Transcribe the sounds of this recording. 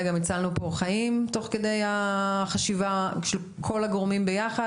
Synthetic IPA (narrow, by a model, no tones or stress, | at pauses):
ɡamit͡salnupo̞χajimto̞χked̪e̞jaχaʃivaʃel | kʰo̞laɡʁomimbe̞jaχa